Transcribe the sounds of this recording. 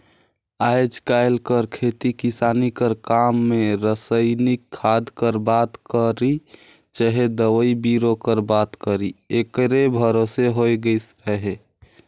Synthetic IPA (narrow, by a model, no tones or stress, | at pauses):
aɪd͡ʒkaɪlkəɾkʰet̪ikisanikəɾkamːeɾəsəɪnikʰːad̪kəɾbat̪kəɾi | d͡ʒəɦed̪əwəibiɾokəɾbat̪kəɾiekɾebʱəɾoseɦojɡəjs | əɦe